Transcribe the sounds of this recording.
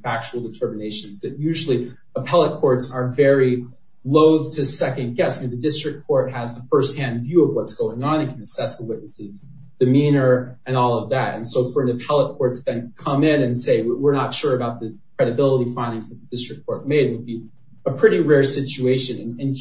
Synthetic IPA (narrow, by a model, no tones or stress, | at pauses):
fæk̚t͡ʃul̩ˠdɨtʰɜ˞mɨneɪʃɨ̃nzðɨt̚jʉʒl̩ˠi | əpʰɛlˠət̚kʰɔɹtsə˞vɛɹi | loʊðtʰɨsɛkɨ̃nɡɛsmĩðɨdɪstɹ̥ɨk̚kʰɔɹt̚hɨzðəfɜ˞st̚hæ̃nvjʉʌvwʌtsɡ̥oʊɪ̃ŋə̃nɨ̃nkʰɨ̃nɨsɛsðəwɪʔⁿnɨsɨz | d̥ɨmĩnə˞ɨ̃nɔlˠʌvðætɨ̰̃nsoʊfə˞ɨ̃nɨpʰɛlˠət̚kʰɔɹtsðɨ̃nkʰʌ̃mɪ̃nɨ̃nseɪwwɪɹnətʃʊɹɨbaʊt̪̚ðɨkʰɹ̥ɛɾɨbɪlˠəɾifãɪ̃ndɪ̃ŋzðɨt̪̚ðədɪstɹ̥ɨkʰːɔɹt̚meɪɾ̚wəd̚bi | əpʰɹ̥ɪɾiɹɛɹsɪt͡ʃʉeɪʃɨ̃nɨ̃nɨ̃n